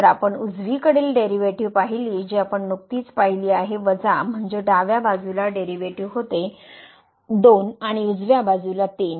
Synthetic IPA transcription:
əɾapəɳud͡zʋiːkəɽeːlɖeɾiʋeʈiʋpaɦiliːd͡ʑiapəɳnuk̚t̪iːt͡spaɦiliːaɦeʋəd͡zam̤əɳd͡zeɖaʋjabad͡zulaɖeɾiʋeʈiʋɦot̪e | d̪onaɽ̃iud͡zʋjabad͡zulat̪en

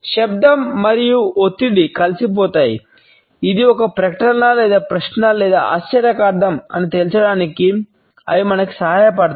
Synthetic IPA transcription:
ʃɐb̚d̪ɐmːɐɾijuot̪ːiɽikɐlsip̬oːt̪aːjḭ | id̪iɔkɐpɾɐkɐʈɐnɐlɛːd̪aːpɾɐʂnɐlɛːd̪aa̰ːst͡ʃɐɾjɐkaːɾd̪ɐmɐ̰nit̪elsɐɽaːniki | ɐ̰jimɐnɐki̥sɐɦaːjɐpɐɽt̪

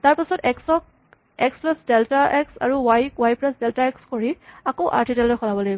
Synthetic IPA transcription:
taɹpisɔtɛksɔk̚ | ɛksplasdɛltaʔɛksa̰ɹuwajkwajpɹasdɛltaɛkskoɹiakoʊʔa̰ɹtʰidɛltɔjkʰɔlabɔlaɡibɔ

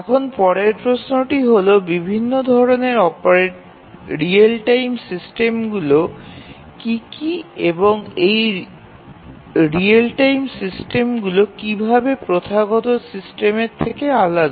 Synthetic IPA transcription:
ɛkʰonpɔɽeɾpɾosnoʈiɦolobibʱinːod̪ʱɔɾoneɾɔpaɾeʈ | ɾielʈajmsisʈemɡulo | kikieboŋej | ɾialʈajmsisʈemɡulokibʱabepɾot̪ʰaɡɔt̪osisʈemeɾt̪ʰːekealad̪

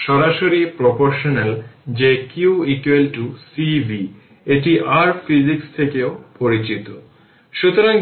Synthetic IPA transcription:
ʃɔɾaʃoɾipɾopoɾʃoneld͡ʑekuikwelʈusibʱi | eʈiʔaɾfid͡ʑikst̪ʰekeopoɾit͡ɕit̪o | ʃut̪oɾaŋ

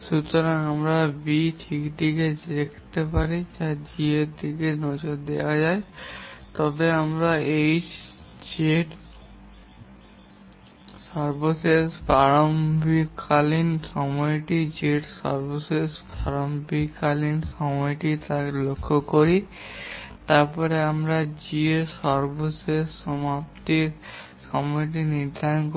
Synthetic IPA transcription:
ʃut̪oɾaŋamɾabitʰikd̪iked͡ʑd̪ekʰt̪epaɾitad͡ʑied̪ikenɔd͡ʑoɾd̪ewad͡ʑaet̪ɔbeamɾaej | d͡ʑeʈ | saɾbosesbaɾombʱikʰalinsɔmɔjʈid͡ʑeʈsɔ̰ɾbosesbʱaɾombʱikalinʃɔmɔjʈit̪akelokʰːokoɾi | t̪aɾpɔɾeamɾad͡ʑieɾsɔɾbosesɔmapt̪iɾ | ʃɔmɔjʈ̬iniɾd̪ʱaɾɔnk

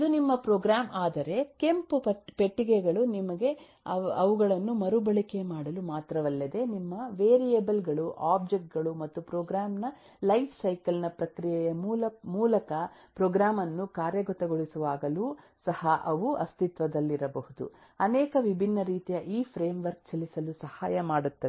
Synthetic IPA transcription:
id̪unimːɐpɾoːɡɾaːmʔaːd̪ɐɾe̞ke̞mpupɐpe̞ʈːiɡeɡɐɭunimɐɡe̞ | ɐɐʋuɡɐɭɐnːumɐɾubɐɭike̞maːɽɐlumaːt̪ɾɐʋɐlːɐd̪e̞nimːɐʋeːɾijebɐlɡɐɭuʔaːb̚d͡ʒek̚ʈ̚ɡɐɭumɐt̪ːupɾoːɡɾaːmnɐ | lɐjpsɐjkɐlinɐpɾɐkɾijɛjɐmuːlɐmuːlɐkɐpɾɔːɡɾaːmɐnːukaːɾjɐɡɔt̪ɐɡoɭisuʋaːɡɐlu | sɐhɐʔɐʋuʔɐst̪it̪ʋɐd̪ɐlːiɾɐbɐhud̪ṵ | ɐnɛːkɐʋibʱinːɐɾiːt̪ijɐʔiːpʰɾe̞ːmʋɐɾk̚t͡ʃɐlisɐlusɐhaːjɐmaːɽut̪ːɐ

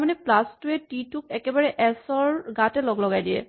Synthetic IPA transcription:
manɛplastuɛtituk̚ɛkɛbaɹɛʔɛsɔɹɡatɛlɔɡlɔɡajdijɛ̰

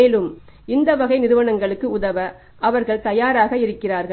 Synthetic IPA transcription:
eːlɯm | ɪnd̪ɐʋɐɣɐɪnɪɾɯʋɐɳɐŋɡɐɭɯkːɯʊðɐʋɐ | ʔɐʋɐɾɣɐɭt̪ɐjaːɾaːɣɐɪɾɯkːɪraːɾɣɐɭ

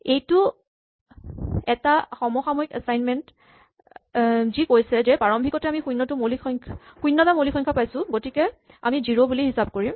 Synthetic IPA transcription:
ejtʊ | ɛtaxɔmɔxamɔikasajnmɛnt | zikojsɛzɛpaɹɔmbʱikɔtɛamixujnːɔtʊmoliɔjŋkʰxujnːɔtamolixɔŋkʰapajsʊ̃ɡotikɛ | a̰miziɹobuliɦisab̚koɹim

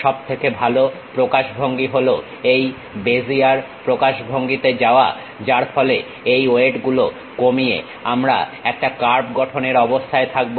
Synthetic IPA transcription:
ʃɔbt̪ʰekebʱalo | pɾokaʃbʱoŋɡiɦolo | ej | bed͡ʑiaɾ | pɾokaʃbʱoŋɡit̪ed͡ʑaoa̰ | d͡ʑaɾfʰɔle | ejoeʈɡulo | komijḛ | amɾa̰ɛk̚ʈakaɾpɡɔʈʰoneɾɔbost̪ʰaet̪ʰak̚bo

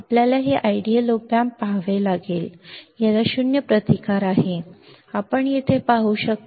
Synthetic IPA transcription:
apljalaɦeʔaiɖiəlopjãmpaɦʋelaɡeːljalaɕunjəpɾət̪ikaɾaɦe | apəɳjit̪ʰepaɦuːɕək̚t̪

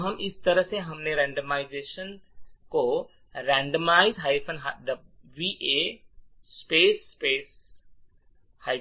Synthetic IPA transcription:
ɦɐmɪst̪ɐɾəɦseɦɐmneɾɛ̃ɳɖəmaːɪzeʃənko | ɾɛ̃ɳɖəmaɪzɦajfənɦad̪əʋiʔe | speːsːpeːs | haɪ

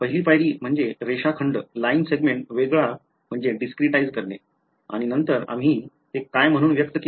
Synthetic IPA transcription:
pəɦiliːpajɾiːm̤əɳd͡zeɾeɕakʰəɳɖlainseɡmẽɳʈʋeɡɭa | m̤əɳd͡zeɖiskɾiʈaid͡zkəɾne | a̰ɽ̃inənt̪əɾa̰m̤iː | t̪ekːajm̤əɽ̃uːnʋjək̚t̪ək

